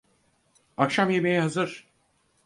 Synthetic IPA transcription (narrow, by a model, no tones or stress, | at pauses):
akʃamjemejiɦazɯɾ̥